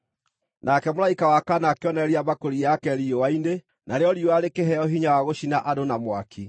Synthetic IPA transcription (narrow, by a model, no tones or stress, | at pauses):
nʔakɛmlaikawakanakeɔnɛɾiamakoɾijakɛɾiowainde | nʔaɾeɔɾiowaɾekeɦɛɔɦiɲawaɣoɕinaʔadonamwakʰi